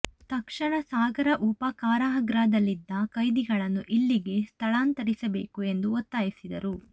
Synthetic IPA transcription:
t̪ɐkʂɐɳɐsaːɡɐɾɐʔupɐkaːɾaɦɐɡɾaːd̪ɐlːid̪ːɐkɐjd̪iɡɐɭɐnːuʔilːiɡe̞st̪ʰɐɭaːnt̪ɐɾisɐbe̞ːkue̞nd̪uot̪ːaːjisid̪ɐ̰ɾu

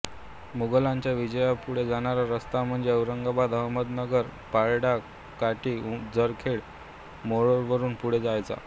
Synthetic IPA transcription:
muɡəlaɲt͡ɕjaʋid͡ʑəjapuɽ̤ed͡zaɽ̃aɾaɾəst̪am̤əɳd͡zeəʋɾəŋɡabad̪əɦməd̪nəɡəɾpaɭɽa | kaʈiːd͡zəɾkʰeɭ | moɭoɾʋəɾuːnpuɽ̤ed͡zajt͡sa̰

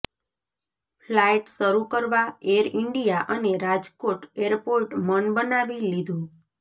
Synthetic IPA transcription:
flaiʈsəɾukəɾʋaeɾɪɳɖijaʔəneɾad͡ʒkoʈeɾpoɾʈmənbənaʋilid̪ʱũ

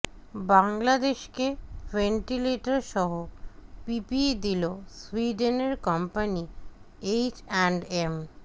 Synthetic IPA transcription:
baŋlad̪eʃkefeɳʈileʈaɾʃɔɦopipid̪iloswiɖeneɾkɔmpani | ejt͡ɕɛɳɖem

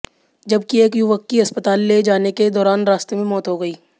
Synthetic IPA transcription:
d͡ʒɐb̚kieːkjuʋəkːiɐspət̪aːlːed͡ʒaːneked̪ɔːɾaːnɾaːst̪emẽmɔːt̪ɦoɡɐiː

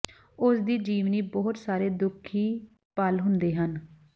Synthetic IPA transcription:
ʊsd̪iːd͡ʒiːʋniːbɔːt̪saːɾeːd̪ʊkʰːiː | pəlɦʊnd̪eːɦən

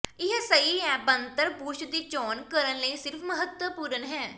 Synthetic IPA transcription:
ɪɦsəiɛ̃ːbə̃nt̪əɾbuːʃd̪iːt͡ʃɔːnkəɾənləisɪɾfʰməɦət̪wəpuːɾənɦɛː

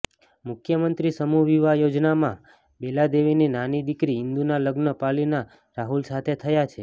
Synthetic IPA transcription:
mʊkʰjəmənt̪ɾisəmuʋiʋajod͡ʒnamã̰ | belad̪eʋininanid̪ikɾiɦɪnd̪unaləɡnəpalina | ɾaɦulsat̪ʰet̪ʰəjat͡ʃʰe

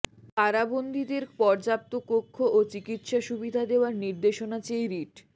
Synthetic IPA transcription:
kaɾabond̪ʱid̪eɾpɔɾd͡ʑap̚t̪okokʰːoʔot͡ɕikit̪ʃaʃubid̪ʱad̪eoaɾniɾd̪eʃonat͡ɕejɾiʈ

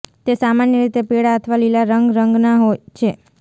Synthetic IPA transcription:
t̪esamanjəɾit̪epeɽaət̪ʰʋalilaɾəŋɡɾəŋɡnaɦojt͡ʃʰe

